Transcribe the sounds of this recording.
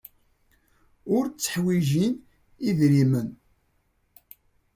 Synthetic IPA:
ʊɾt͡sːə̥ħwiʒin | iðɾimən

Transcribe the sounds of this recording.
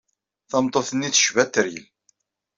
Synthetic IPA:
θɑmt̪ˤːoθənːiθə̥ʃvæt̪ːɾil

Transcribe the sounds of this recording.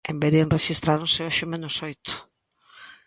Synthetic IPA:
embeɾienreʃist̪ɾaɾonseoʃɪmenʊsojt̪ʊ̥

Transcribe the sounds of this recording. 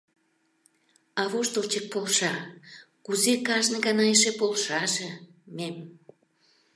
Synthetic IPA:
ɑβoʃt̪olt͡ɕək̚polʃɑ | kuzekɑʒneɣɑnɑjʃepolʃɑʒe | mem

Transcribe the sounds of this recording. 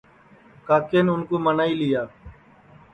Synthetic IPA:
kaːkeːnʊnkoːmənaːiːlɪjaː

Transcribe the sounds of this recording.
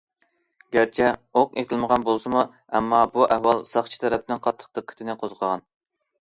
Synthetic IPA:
ɡʲæɾt͡ʃʰɛoqet̪ʰɪlˠməʁɑnbolˠsɨmu | ɛmːɑbuʔɛhwɑlˠsɑχt͡ʃʰi̥t̪ʰɛɾɛp̚ɪnɪnqʰɑt̪ʰːə̥q̚t̪əqkʲʰy̥t̪ʰɪnɪqʰozqʰəʁɑn

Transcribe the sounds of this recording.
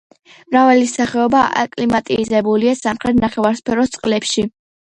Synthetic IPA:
mɾavalisaχɛɔbaa̰kʼlimat̪ʼizɛbuliasamχɾɛt̪̚ʰnaχɛvaɾspʰɛɾɔst̪sʼqʼlɛpʃi

